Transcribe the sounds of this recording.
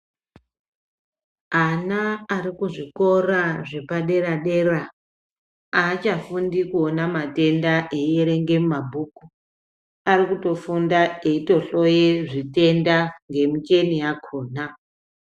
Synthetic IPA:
anaːɾikuʐiko̞raʐe̞paɗe̞ɾaɗe̞ra | at͡ʃafundikuonamate̞ndaʔejeɾe̞ŋɡe̞mumabʱuku | aɾikuto̞fundae̞ito̞ɬo̞jeʐite̞ndaŋɡe̞mut͡ʃe̞nijakʰoːna

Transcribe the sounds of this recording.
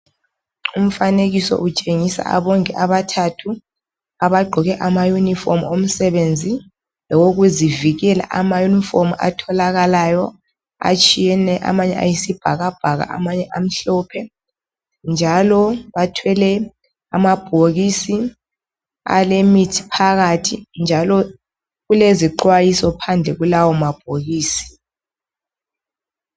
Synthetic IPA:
um̩faneɣisɔ̰ʔut͡ʃʼeŋisa̰a̰βɔŋkʼɛʔaβatʰatʰu | aβaɡ͡ǃʱɔɣɛʔamajunifɔmom̩sɛβend͡zʱi | lɔwoɣuziviɣɛla̰ʔamajunifomua̰tʰɔlaɣalajɔ | a̰t͡ʃʼijɛnɛʔa̰maɲɛ̰a̰jisib̥ʱaɣab̥ʱaɣa̰ʔa̰maɲɛʔam̩ɬɔːpʰɛ | nd͡ʒʱalɔβatʰwɛlɛ | amab̥ʱoɣisi | a̰lemitʰi̥pʰaɣatʰind͡ʒʱalɔ | ɣuleziǃwajisɔpʰand͡ɮʱɛɣulawɔmab̥ʱoɣiːsi̥

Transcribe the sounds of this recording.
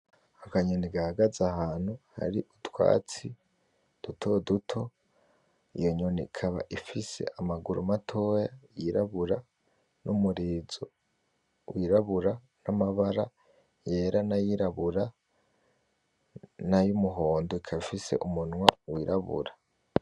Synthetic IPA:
akaɲoniɡahaɡazahaːn̥huha̰ɾiʔutwa̰ːt͡si | d̥utʰo̞dutʰo̞ | ijo̞ɲoniikʰaβa̰ʔifise̞̰ʔamaɡuɾumatʰo̞jajiɾaβuɾa | nʔumuɾiːzo | wiɾaβuɾa | namaβaɾa | je̞ɾanajiɾaβuɾa | najumuɦo̞ːndoikʰafise̞̰ʔumunwawiːɾaβṵɾa

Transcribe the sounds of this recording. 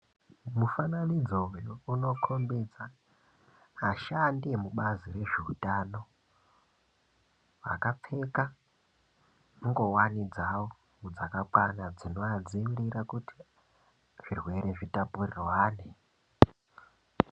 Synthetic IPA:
mufananid͡zojouno̞kʰo̞mbed͡za | ʃandemuɓazire̞ʐeutano̞ | ʋa̰kap͡fe̞ka | uŋɡo̞wanid͡zawo | ŋud͡zakakwanad͡zino̞ad͡zimiɾiɾakuti̥ | ʐ̥irwe̞ɾe̞ʐitapurirwaːne

